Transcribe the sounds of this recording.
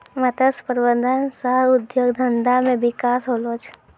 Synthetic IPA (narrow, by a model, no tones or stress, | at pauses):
mət̪əspəɾwəd̪ənsəɦʊd̪joːɡd̪ʱənd̪amẽbɪkaːsɦoːlot͡ʃʰ